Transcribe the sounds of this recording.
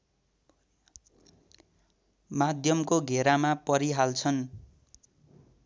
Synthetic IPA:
mad̪ʱjʌmkoɡʱeɾamapʌɾiɦalt͡sʰʌn

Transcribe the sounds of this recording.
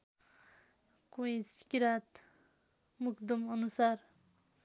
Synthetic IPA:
koĩsi̥kiɾat̪ | mukd̪ʌmʌnusar

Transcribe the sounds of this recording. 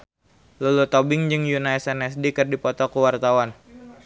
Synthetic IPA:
lulut̪ɔbɪŋd͡ʒɨŋjunaɛsɛnɛsdikɨrdipɔt̪ɔkuwart̪awan

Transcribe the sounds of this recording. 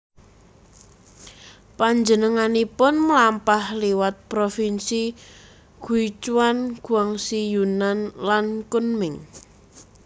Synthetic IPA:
paɲd͡ʒənəŋanipʊnməlampahliwat̪̚pɾofinsi | ɡ̥uit͡ʃuwanɡ̥ṳaŋsijunanlankunmɪŋ

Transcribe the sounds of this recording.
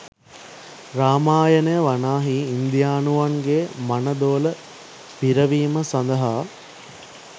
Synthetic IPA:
ɾaːmaːjənəjəʋanaːɦiːnd̪ijaːnuʋaŋɡemɐnəd̪oːlə | piɾəʋiːməsɐnd̪ɐɦaː

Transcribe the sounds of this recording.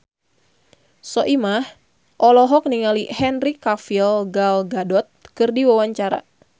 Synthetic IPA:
sɔʔimah | ʔɔlɔɦɔk̚niŋalihɛnrikafilɡalɡadɔt̪̚kɨrdiwawaɲt͡ʃaɾa̰

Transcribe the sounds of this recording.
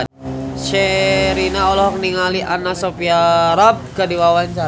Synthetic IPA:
ʃɛɾinaɔlɔɦɔkniŋaliʔanasopiaɾap̚kadiwawaɲt͡ʃa

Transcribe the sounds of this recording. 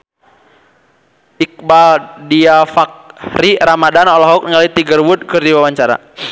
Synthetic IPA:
ik̚baldiafak̚riɾamadanɔlɔɦɔk̚nəŋalit̪iɡərwud̚kɨrdiwawaɲt͡ʃaɾa̰

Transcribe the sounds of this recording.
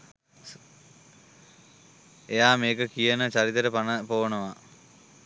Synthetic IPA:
ejaːmeːkɐkijɐnɐt͡ɕɐrit̪ːɐɾepɐnɐpoːɐɳɐʋɐ

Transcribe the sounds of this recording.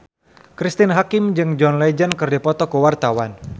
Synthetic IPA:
kɾist̪ɪnɦakɪmd͡ʒɨŋd͡ʒɔnlɛd͡ʒənkɨrdipɔt̪ɔkuwart̪awan

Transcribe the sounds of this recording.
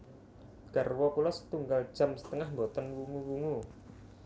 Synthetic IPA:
ɡ̥a̤rwɔkulɔsə̥t̪uŋɡal̥ʒ̥a̤msə̥t̪əŋahmbot̪ɔnwuŋuwuŋu

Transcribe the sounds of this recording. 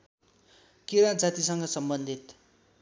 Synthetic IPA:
kiɾãd͡zat̪isʌŋɡʌsʌmbʌnd̪ʱit̪

